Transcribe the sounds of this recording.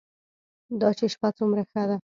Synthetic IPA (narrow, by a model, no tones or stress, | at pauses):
d̪ɑt͡ʃeʃpat͡sumɾaxad̪a